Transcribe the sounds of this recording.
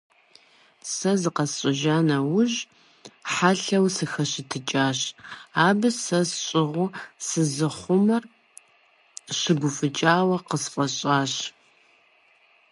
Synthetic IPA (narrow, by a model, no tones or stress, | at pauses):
sɐzɨqɐsɕʷʼɪʒaːnɐwʊʑ | ħaɬɐwsɨxɐɕɪtʰɨt͡ʃʼaːɕaːbɨsɐsɕʼɪʁʷʊsɨzɨχʷʊmɐr | ɕɪɡʷʊfʼɨt͡ʃʼaːwɐqəsfʼɐɕʼaːɕ